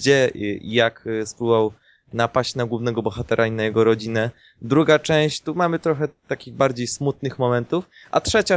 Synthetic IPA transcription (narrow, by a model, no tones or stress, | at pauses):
d͡ʑɛ̰jakspluvaw | napaɕt͡ɕnaɡwuvnɛɡɔbɔxat̪ɛɾʔainajɛɡɔɾɔd͡ʑinɛ | d̪ɾuɡat͡ʂɛ̃w̃ɕt͡ɕt̪umamɘt̪ɾɔxɛt̪akʲiɣbaɾd͡ʑejsmut̪̚nɘxmɔmɛnt̪uf | ʔa̰tʂɛt͡ɕa